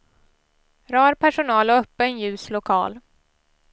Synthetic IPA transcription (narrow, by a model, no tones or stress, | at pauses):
ɾɑːɾpʰæʂʊnɑːlɔœpːənjʉ̟ːslʊkʰɑ̰ːl